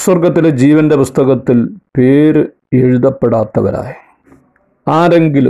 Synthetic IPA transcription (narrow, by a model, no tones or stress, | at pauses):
swɐrɡɐt̪ːiled͡ʑiːʋɐnde̞pust̪ɐɣɐt̪ːilpeːɾɨ | eɻuðɐpːe̞ɽaːt̪ːɐʋɐ̰ɾa̰ːji | aːɾe̞ŋɡilṵ